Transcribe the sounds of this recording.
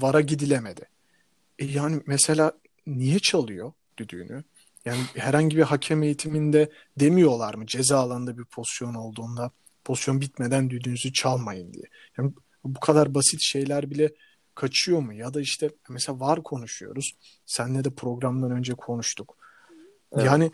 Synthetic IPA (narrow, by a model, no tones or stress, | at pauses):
vaɾaɟid̪ilʲeme̞d̪ɪ | ɛjaːnimɛse̞lʲaː | nijɛt͡ʃʰalˠɯjo̞ | d̪̥yd̪y̰ːny | jaːnihæɾhaɲɟibiɦacʰɛme̞jit̪ʰimind̪ɛ | d̪e̞mijo̞lˠaɾmɯd͡ʒe̞zaːlˠaɯnd̪abiɾpʰo̞st̪jo̞no̞lˠd̪uːnd̪a | pʰo̞st̪jo̞nbit̪me̞d̪ænd̪yd̪ynyzyt͡ʃʰalˠmajɯnd̪ḭjɛ | jaːn | bukʰad̪aɾbasit̪ʃe̞jlʲæɾbilʲɛ | kʰat͡ʃʰɯjo̞mujad̪aiʃt̪ʰɛmɛselaːvaɾkʰo̞nuʃujo̞̰ɾuz̥ | sænlɛd̪ɛpʰɾo̞ɡɾamd̪anø̞nd͡ʒɛkʰo̞nuʃt̪ʰuk | jaːnɪ